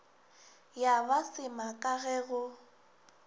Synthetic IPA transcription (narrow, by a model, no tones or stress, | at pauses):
jabasɪmakʼaɣɛːɣʊ